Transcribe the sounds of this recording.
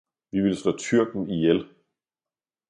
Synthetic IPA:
ʋiʋiləslɔːt͡sʰyɐ̰ɡ̥n̩ijel

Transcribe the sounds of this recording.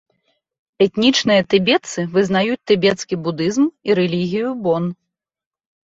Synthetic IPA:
ɛt̪nʲit͡ʂnɨjɐt̪ɛbʲɛt̪sɨvɨzn̪ajut͡sʲt̪ɛbʲɛt̪skʲibud̪ɨzmiɾɛlʲiɣʲijubɔn

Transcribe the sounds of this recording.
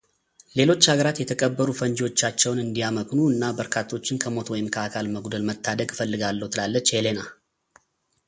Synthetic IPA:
le̞lo̞t͡ʃːhaɡəɾat̪jɛt̪ʰəkʼəbːəɾufənd͡ʒiwo̞t͡ʃːat͡ʃːɛwnɨnd̪ijaməkʼnuɨnːabəɾkʰat̪ʰːo̞t͡ʃːɪnkʰəmo̞t̪wɔjɪmkʰəakʰalməɡd̪əlmət̪ʰːad̪əɡfəlːɨɡalːəwut̪ʰɨlalːət͡ʃːhelena

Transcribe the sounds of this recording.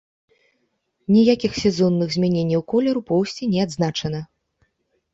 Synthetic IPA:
nʲijakʲixsʲɛzɔnːɨɣzʲmʲanʲenʲːɐwkɔlʲɛɾupɔwsʲt͡sʲinʲɛad̪znat͡ʂɐnɐ

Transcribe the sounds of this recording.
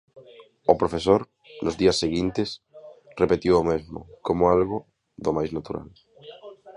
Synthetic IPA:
ʊpɾofesoɾ | nʊzðiɐsːeɣint̪ɪsrepet̪iwomezmʊ̰komʊalɣʊ | ðomajznat̪uɾa̰l

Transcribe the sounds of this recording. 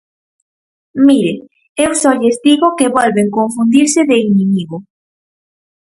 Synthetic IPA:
miɾe | ewsɔʎezd̪iɣokeβɔlβeŋkoɱfund̪iɾseðeinĩmiɣo

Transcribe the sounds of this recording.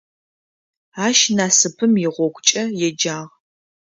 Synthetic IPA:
aːʃnaːsɨpʰɨmjɪʁʷɔɡʷʰʼt͡ʃʼɐjɛd͡ʒaːʁ

